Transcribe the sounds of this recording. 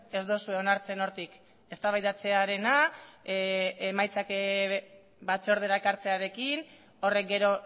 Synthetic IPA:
e̞zd̪o̞sueonaɾt͡se̞no̞ɾt̪ik | e̞st̪aβajðat͡se̞aɾe̞na | emajt͡sak | bat͡soɾð̞e̞ɾaekaɾt͡se̞aɾe̞kin | o̞re̞k̚ɡe̞ɾo̞

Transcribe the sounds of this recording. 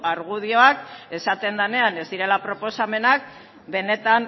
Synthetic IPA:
aɾɣ̞uð̞io̞ake̞sat̪e̞nd̪ane̞ane̞zd̪iɾe̞lapɾo̞po̞same̞nak̚ | be̞ne̞t̪an

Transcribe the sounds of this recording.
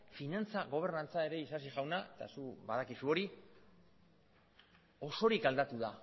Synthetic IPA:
finant͡saɣo̞β̞e̞ɾnant͡sae̞ɾe̞isasiʝawnaet̪a̰suβaðakisuo̞ɾi | o̞so̞ɾikald̪at̪uða

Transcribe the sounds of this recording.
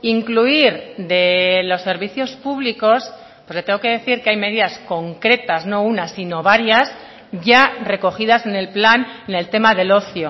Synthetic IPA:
iŋkluiɾd̪e̞lo̞sːe̞ɾβiθjo̞spuβliko̞s | ppwo̞sle̞t̪eŋɡo̞ke̞ðe̞θiɾkeajme̞ð̞iðasko̞ŋkɾe̞t̪azno̞unasinoβaɾjas | ʝare̞ko̞xiðase̞ne̞lplanene̞lt̪e̞maðe̞lo̞θjo

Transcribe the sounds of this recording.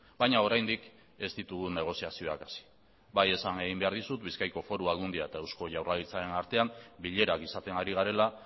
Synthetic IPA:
bajɲao̞ɾajnd̪ik | e̞st̪it̪uɣune̞ɣ̞o̞siasio̞akḁsi̥ | baje̞sane̞ɣ̞imbe̞aɾðisut̪biskajko̞fo̞ɾuaɣund̪iaet̪ae̞wsko̞ʝawralit͡saɾe̞naɾt̪e̞ambiʎe̞ɾakisat̪e̞ŋaɾiɣ̞aɾe̞la

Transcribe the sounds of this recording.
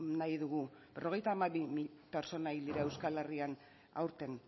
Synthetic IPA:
najðuɣu | be̞rʔo̞ɣ̞e̞jt̪aːmaβimipe̞ɾt͡so̞naild̪iɾae̞wskale̞rian | a̰wɾt̪e̞n

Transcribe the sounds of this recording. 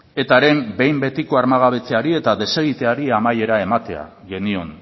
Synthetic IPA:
e̞t̪aɾe̞mbe̞jmbe̞t̪iko̞aɾmaɣ̞aβ̞e̞t͡se̞aɾie̞t̪aðe̞se̞ɣit̪e̞aɾiamaje̞ɾae̞mat̪e̞a̰ | ɣe̞nio̞n

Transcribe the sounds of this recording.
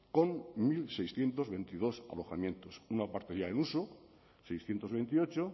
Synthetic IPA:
konmilsejsθje̞nt̪o̞zβe̞nt̪ið̞o̞sa̰lo̞xamjẽ̞nt̪osunapaɾt̪eɾjaenuso | sejsθje̞nt̪o̞zβent̪io̞t͡ʃo

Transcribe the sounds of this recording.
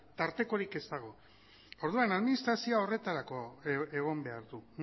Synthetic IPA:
t̪aɾt̪e̞ko̞ɾike̞st̪aɣ̞o̞ | oɾðuanaðminist̪ɾasioao̞re̞t̪aɾako̞e̞ɣ̞o̞mbe̞aɾðun

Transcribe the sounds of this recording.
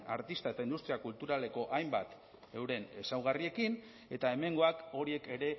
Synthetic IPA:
a̰ɾt̪ist̪ae̞t̪aind̪ust̪ɾiakult̪uɾale̞ko̞ʔajmbat̪ | e̞wɾe̞ne̞sawɣ̞arie̞kin | e̞t̪ae̞me̞ŋɡo̞ako̞ɾie̞ke̞ɾe̞

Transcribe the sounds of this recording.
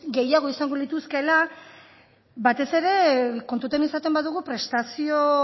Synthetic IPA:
ɡe̞jaɣ̞o̞isaŋɡolit̪uske̞la | bat̪e̞se̞ɾe̞ko̞nt̪ut̪enisat̪e̞mbaðuɣ̞upɾe̞st̪asio̞

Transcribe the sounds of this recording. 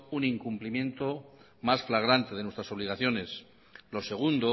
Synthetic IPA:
uniŋkumplimjẽ̞nt̪o̞ | masflaɣ̞ɾant̪e̞ð̞e̞nwe̞st̪ɾaso̞βliɣ̞aθjo̞ne̞s | lo̞se̞ɣ̞und̪o

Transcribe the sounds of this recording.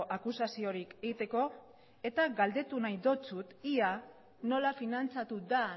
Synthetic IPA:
ʔakusasio̞ɾike̞ɣit̪e̞ko̞ | e̞t̪aɡald̪e̞t̪unajd̪o̞t͡sut̪ia | no̞lafinant͡sat̪ud̪a

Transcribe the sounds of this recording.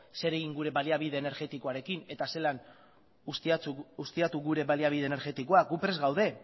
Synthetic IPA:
se̞ɾe̞ɣiŋɡuɾe̞βaliaβiðe̞ːne̞ɾɣe̞t̪iko̞aɾe̞kine̞t̪ase̞lan | sust̪iat̪uɣuɾe̞βaliaβ̞ið̞ene̞ɾɣe̞t̪iko̞aɡupɾe̞zɣawðe̞

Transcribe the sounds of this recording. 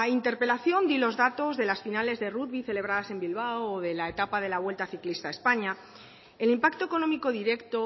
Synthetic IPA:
aint̪e̞ɾpe̞laθjo̞nd̪ilo̞zðat̪o̞zðe̞lasfinale̞zðeruðβiθe̞le̞β̞ɾaðase̞mbilβawːðe̞laet̪apað̞e̞laβwe̞lt̪aθiklist̪aespaɲa | elimpakt̪oeko̞nomiko̞ðiɾe̞kt̪o

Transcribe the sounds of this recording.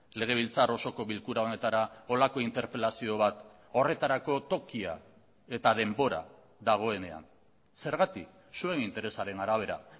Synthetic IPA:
le̞ɣ̞e̞β̞ilt͡saro̞so̞ko̞βilkuɾao̞ne̞t̪aɾao̞lako̞int̪e̞ɾpe̞lasio̞β̞at̪ | o̞re̞t̪aɾako̞t̪o̞kia̰ | e̞t̪að̞e̞mbo̞ɾa̰ | ðaɣ̞o̞e̞ne̞a̰n | se̞ɾɣ̞at̪ik | sue̞nint̪e̞ɾe̞saɾe̞naɾaβ̞e̞ɾa

